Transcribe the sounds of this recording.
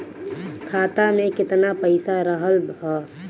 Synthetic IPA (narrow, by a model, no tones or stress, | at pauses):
kʰaːt̪amẽkɪt̪napəɪsaɾəɦəlɦɔ